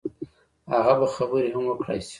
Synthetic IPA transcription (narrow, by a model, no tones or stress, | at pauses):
aɣabaxabəɾehamwəkɽa̰jsi̥